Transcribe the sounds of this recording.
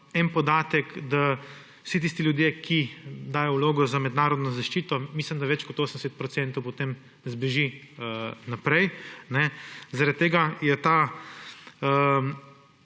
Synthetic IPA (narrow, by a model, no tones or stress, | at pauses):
ɛnpɔd̪aːt̪ɛkd̪a | wsit̪̬iːst̪iljud̪jekʰid̪aːjɔwloːɡɔzamɛd̪naːɾɔd̪nɔzaʃt͡ʃiːt̪ɔmislimd̪aʋɛt͡ʃkɔt̪oːsənɛsɛt̪̚pɾɔtsɛ̃nt̪ɔwpot̪em | zbeʒi | napɾɛjnɛzaɾat̪̚ːeːɡajɛt̪a | ə